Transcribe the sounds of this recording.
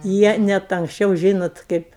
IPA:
ˈjiɛ nʲɛt ɐŋksʲˈt͡ʃʲɛʊ ˈʒʲiːnoːt ˈkɐɪp

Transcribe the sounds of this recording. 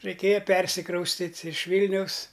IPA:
rɐɪˈkʲeːjɛ ˈpʲɛrʲsʲɪkrɐʊsʲtʲɪtʲ ɪʃ ˈʋʲiːlʲnʲɛʊs

